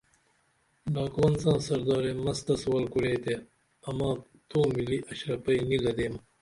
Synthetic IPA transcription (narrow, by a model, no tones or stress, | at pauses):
ɖɑːkwɐnsɑ̃ːsɐɾd̪ɑːɾeːmɐst̪ɐswɐlkuɽeːt̪e | ɐmɑ̃ː | t̪oːmiliʔɐɕɾɐpɐinilɐd̪eːm